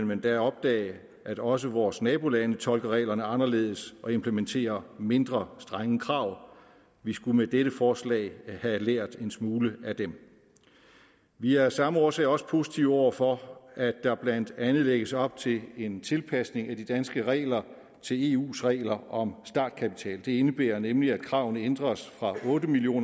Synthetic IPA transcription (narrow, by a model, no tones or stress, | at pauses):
nmend̥ɑɒ̽b̥̚d̥ɛ̰ːɪ | ʔæɾ̥ɒ̽s̬əʋɒːsnɛːb̥o̝lænət͡sʰɒ̽lɡ̥ɐʁɛ̰ɪlɐnəɑ̈nɐle̝ːð̞ˠsɒ̽e̝mpʰlement͡sʰe̝̰ːɐme̝nd̥ʁɐsd̥ʁɑŋəkʰʁɑ̈ʊ̰ | ʋisɡ̥umed̥eɾəfɒːslɛ̰ːɪhæleɐ̰d̥e̝nsmuːləæd̥em | ʋiæɐsɑ̈məɒːsɛ̰ɪɒ̽sə̥pʰo̝ːsi̥t͡sʰiʊɒ̰ʊ̰ɐfɒ̽æd̥ːɑ̈b̥læn̰d̥ænð̩ˠleɡ̥əsɒ̽b̥̚t͡sʰe̝le̝nt͡sʰe̝lpʰæsne̝ŋæd̥id̥ænsɡ̥əʁɛ̰ːɪlɐ | t͡sʰe̝le̝ːṵːsʁɛ̰ːɪlɐʔɒ̽msd̥ɑ̰̈ːd̥kʰæpit͡sʰɛ̰ːld̥e̝e̝nəb̥ḛːɐnemliæd̥kʰʁɑ̈ʊnəend̥ʁɐsfʁɑ̈ʔɔ̽ːdəmilio̝̰ːn